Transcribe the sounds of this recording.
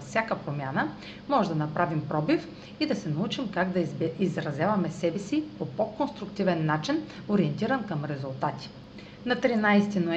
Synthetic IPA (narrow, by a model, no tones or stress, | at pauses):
fsʲjakəpɾomʲjanə | mɔʒɛd̪ɐnɐpɾavimpɾɔbif | id̪ɐsɛnɐut͡ʃimkaɡd̪ɐizɾɐzʲjavɐmɛsɛbɛsipopokonst̪ɾʊkt̪ivɛnːat͡ʃin | oɾiɛnt̪iɾənkɐmɾɛzulˠt̪at̪i̥ | nɐt̪ɾinajst̪ino